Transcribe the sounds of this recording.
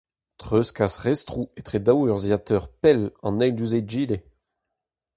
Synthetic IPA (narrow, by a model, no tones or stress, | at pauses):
t̪χøskasʁɛst̪χuet̪χed̪awœʁzjat̪œʁpɛlɑ̰̃nɛjd̪yzeʒiːle